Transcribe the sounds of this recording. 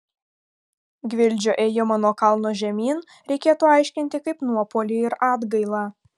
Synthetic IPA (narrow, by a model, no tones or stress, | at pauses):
ɡʲʋʲɪlʲˑd͡ʒʲoːʔeːjoːmɑːnoːkɐlˠnoːʒʲɛmʲiːn | ɾʲɛɪkʲeːt̪uːɑˑɪʃʲkʲɪnʲt̪ʲɪkɐɪpnuɔpolʲiːɪɾɑːd̪ɡɐɪlˠɑː